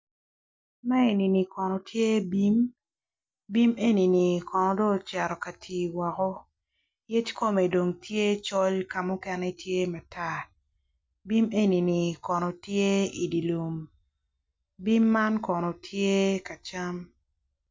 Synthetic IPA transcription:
mɛ˦e˨ni˨ni˨kɔ˨nɔ˨tʰje˦bi˦m | bi˦me˦ni˨ni˨kɔ˨nɔ˨dɔ˦˨t͡ʃɛ˨ɾɔ˨ka˨tʰiː˨wɔ˨kɔ˦ | je˦tko˦me˨do˨ŋtje˦t͡ʃɔ˦lka˨mʊ˦kɛ˨nɛ˦tje˦ma˨ta˦˨ | bi˦me˦ni˨ni˨kɔ˨nɔ˨tje˦i˨di˨lu˨m | bi˦mːa˦nkɔ˨nɔ˨tʰje˦ka˨t͡ʃa˦m

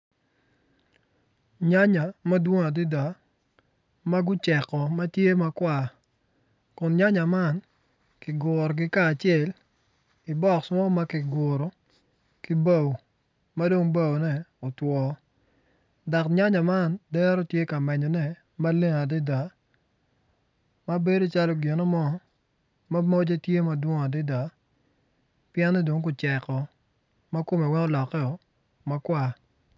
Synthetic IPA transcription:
ɲa˦ɲa˨mɐ˦dwo˦ŋa˨di˦da˨ | ma˦ɡʊ˦t͡ʃɛ˨kɔ˨mɐ˦tje˦ma˦kwa˨ | kʊ˨nɲa˦ɲa˨ma˦n | kɪ˨ɡʊ˨ɾɔ˨ɡɪ˦kaː˦˨t͡ʃɪɛ˨l | i˨bɔ˦˨ksɔ˦ma˦kɪ˨ɡʊ˨ɾɔ˨ | ki˦ba˦˨w | ma˦do˦ŋba˦wnɛ˦o˨twɔ˨ | da˨kɲa˦ɲa˨ma˦ndɛ˦ɾɔ˦tje˦ka˨mɛ˨ɲɔ˨nɛ˦ | ma˦le˦ŋa˨dɪ˦da˨ | ma˦be˦do˦t͡ʃa˦lɔ˦ɡe˨nɔ˦mɔ˦ | ma˦mo˦d͡ʒe˦tje˦ma˦dwɔ˦ŋ˨a˨dɪ˦da˨ | pjɛ˦nːɛ˦do˨ŋkʊ˨t͡ʃɛ˨kɔ˨ | ma˦ko˦me˨wɛ˦ŋɔ˦lɔ˨kːɛ˦ɔ˨ | ma˦kwa˦

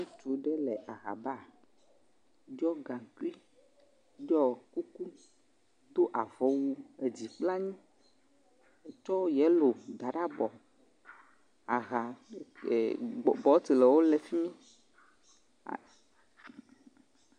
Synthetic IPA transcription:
nũ˦t͡ʃu˨˦ɖɛ˦lɛ˨ʔa˨ɣa̰˨ba˦˨ | d͡ʒɔ˦ɡã˨ŋku˦i˦ | d͡ʒɔ˦˨ku˦ku˦ | d̪o˦ʔa˨vɔ˦wu˦e˨d͡ʑi˨k͡pla˦ɲĩ˦ | e˨t͡ʃɔ˦jɛ˨˦lo˨d̪a˨ɖa˦bɔ˨ | a˨ɣa˨ | bɔ˨˦t̪i˨lɛ˨wo˦lɛ˨fi˦mĩ˦˨

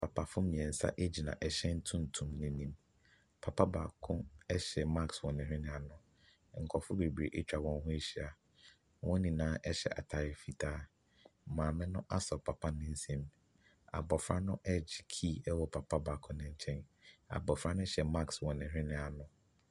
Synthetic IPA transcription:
pʰa˨pʰa˨fʊ˦mĩ˨ɛ̃˨n̩˨sa̰˦ʔe˦d͡ʑi˨nã̰˨ʔɛ˨ɕɛ˦n̩˦tʰũ˦n̩˨tʰũ˨mnɪ̃˨nĩ˨m | pʰa˨pʰa˦baː˨kʰʊ̃˦ɛ˦ɕɛ˨ma˦kswɔ̃˨nɪ̃˨ɾɪ̃˦nɪ̃˨a˨nʊ̃˦ | ŋ̩˨kʰɔ˨fʊ˦be˨be˨ʔe˦t͡ɕᶣa˨wɔ̃˦nɦʊ̃˦e˦ɕi˨a˨ | wʔɔ̃˦nĩ˨nãː˦ʔɛ˦ɕɛ̰˨ʔa̰˨tʰa˨ɾɪ˨fi˨tʰaː˦ | mãː˨mɪ̃˦nʊ̃˦ʔa˦sɔ˨pʰa˨pʰa˦nɪ̃˦n̩˦sẽ˦m | a̰˨bɔ˨fɾa˦nʊ̃˦ʔɛ˦d͡ʑɪ˨kʰiː˦˨ɛ˦wɔ˨pʰa˨pʰa˦ba˨kʰʊ̃˦nɪ̃˦ɲ̩˦t͡ɕʰɛ̃˦na̰˨bɔ˨fɾa˦nʊ̃˦ɕɛ˨ma˦kswɔ̃˨nɪ̃˨ɦᶣɾɪ̃˦nɪ̃˨a˨nʊ̃˨

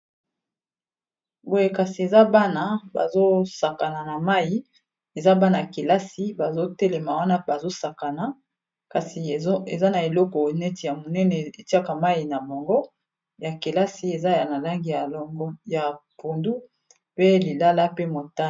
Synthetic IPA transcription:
bo˦je˦ka˨si˨e˨za˦ba˦na˨ba̰˨zo˦sa˨ka˨na˨na˨ma˦ji˨ | e˨za˦ba˦na˨a˨ke˨la˦si˦ba˨zo˦tɛ˦lɛ˨ma˨wa˦na˦ba˨zo˦sa˨ka˨na˨˦ | ka˨si˨e˨za˦na˨e˨lɔ˦kɔ˨nɛ˦ti˨ja˨mo˨nɛ˦nɛ˨e˨ti˦a˦ka˨ma˦ji˨na˨bo˨ŋɡɔ˦ | ja˨ke˨la˦si˦e˨za˦ja˨na˨la˦ŋɡi˨a˨˦ja˨po˨ndu˦ | pe˦li˨la˦la˦pe˦mo˨ta˦˨

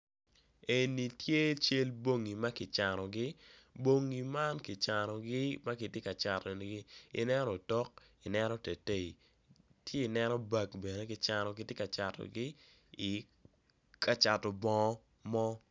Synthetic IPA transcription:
e˨ni˨tje˦t͡ʃe˦lbo˦ŋi˨ma˦kɪ˨t͡ʃa˨nɔ˨ɡɪ˦bo˦ŋi˨ma˦nkɪ˨t͡ʃa˨nɔ˨ɡɪ˦ma˦kɪ˨tje˦ka˨t͡ʃa˨tɔ˨n˨ɡɪ˦ḭ˨nɛ˦ɾɔ˨tɔ˦k̚ | i˨nɛ˦nɔ˦te˨te˦˨i˨ | tʰje˦i˨nɛ˦nɔ˦ba˦kbe˨ne˦kɪ˨t͡ʃa˦nɔ˨kɪ˦tje˦ka˨t͡ʃa˨tɔ̰˨ɡɪ˦ | i˨ | kʰa˦t͡ʃa˨tɔ˨bɔ˦ | mɔ˦

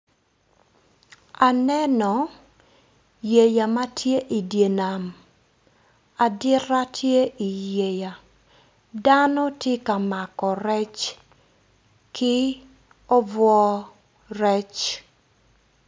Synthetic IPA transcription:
a˨nɛ˦nɔ˨ | je˨ja˨ma˦tʰje˦ʔi˨dje˨na˨m | a˨dɪ˦ɾa˦tʰje˦ʔi˨je˨ja˨ | da˦nɔ˦tje˦ka˨ma˨kɔ˨ɾɛ˦t͡ʃ | kɪ˦ | o˦vwɔ˦ | rɛ˦t͡ʃ

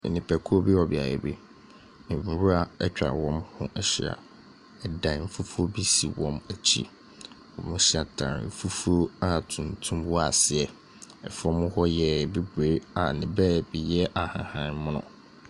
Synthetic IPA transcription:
nɪ̃˨pʰɛ˨kʰu˦bi˦wɔ˨bɪ˨a̰˨jɛ̰˨bḛ˦ | nɪ̃˨m̩˨˦ɾu˦a˨ɛ˦t͡ɕᶣɾa̰˨wɔ̃˦mhʊ̃˦ʔɛ˦ɕɪ˨a̰˨ | ɛ˨dã˨m̩˦fu˦fu˦o˦bi˦sḭ˨wɔ̃˨mæ˨t͡ɕʰḭ˦ | wɔ̰̃˨mʊ̃˦ɕɪ˦a˨tʰã̰˨m̩˦˨fu˦fu˦o˦a˦tʰũ˨ntʰũ˦mwɔ˦a̰˨sɪ˨ɛ˨ | ɛ̰˨fɔ̃˦mʊ̃˦hɔ˦jɛ˨be˦ɡe˨˦a˨nɪ̃˨bɛː˦˨bi˨jɛ˦ʔa˨hã̰˨hã˦nmʊ̃˦nʊ̰̃˨

